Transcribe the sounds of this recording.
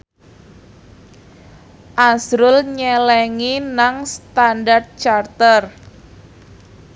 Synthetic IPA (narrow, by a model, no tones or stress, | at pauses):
ʔasɾʊlɲɛlɛŋinaŋst̪andart̪̚t͡ʃart̪ər